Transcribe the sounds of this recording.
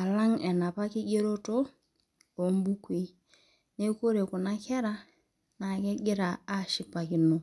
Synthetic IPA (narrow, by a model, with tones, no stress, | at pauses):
a˨la˦ŋɛ˨na˨pa˦kɪ˦ɡe˦ɾo˦to˦ | o˨mbu˦kʷwi˨˦ | ne˦ko˦ɾe˨ku˨na˦kɛ˦ɾa˦ | na˨ke˦ɡɪ˦ɾa˨a˦˨ʃɪ˦k̚pa˨ki˨no˦